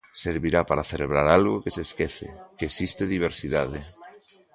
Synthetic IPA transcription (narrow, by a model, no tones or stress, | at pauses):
seɾβiɾapaɾaθeleβ̞ɾaɾalɣokeseskeθḛkeːsist̪eðiβ̞eɾsiðaðe